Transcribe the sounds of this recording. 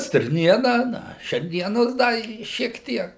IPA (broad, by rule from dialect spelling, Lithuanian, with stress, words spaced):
sʲtʲɪrʲˈnʲiɛnɐ ˈnɐ ʃʲɛrʲˈnʲiɛnoːs ˈdɐ ɪ ʃʲiɛk ˈtʲiɛk